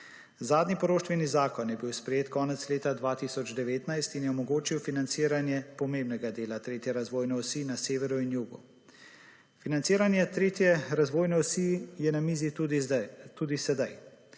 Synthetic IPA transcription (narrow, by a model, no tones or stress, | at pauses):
zaːd̪nipɔɾoːʃt̪ʋɛnizaːkɔnjɛbiwspɾɛjeːt̪kɔːnɛt̪sleːt̪ad̪ʋaːt̪isɔd͡ʒd̪ɛʋeːt̪najst̪injɛɔmɔɡoːt͡ʃiwfinant̪siːɾanjɛpɔmeːmnɛɡad̪eːlat̪ɾeːt̪jɛɾazʋoːjnɛɔsiːnaseːʋɛɾɔinjuɡɔ̰ | finant̪siːɾanjɛt̪ɾeːt̪jɛɾazʋoːjnɛɔsijɛnamiːzi | t̪uːd̪isɛd̪aj